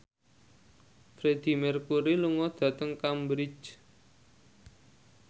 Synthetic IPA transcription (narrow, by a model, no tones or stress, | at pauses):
fɾed̪̥i̤mɛrkuɾiluŋɔd̪̥ä̤t̪əŋkambɾit͡ʃ